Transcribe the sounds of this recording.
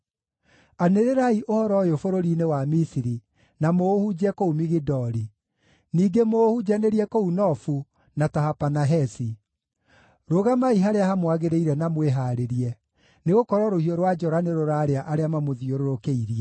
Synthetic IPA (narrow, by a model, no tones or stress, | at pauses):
aneɾeɾaiʔohɔɾɔjofoɾoɾinewamisiɾi | namoːhud͡ʑɛkoumiɣidɔɾi | niːɡemoːhud͡ʒaneɾiɛkounɔfu | natahapanaɦɛsi | ɾoɣamaiɦaɾeahamwaɣeɾeiɾɛnamweɦaɾeɾiɛ | neɣokɔɾwɔɾohiɔɾwad͡ʒɔɾaneɾoɾaːɾeaʔaɾeamamoðioɾoɾokeiɾiɛ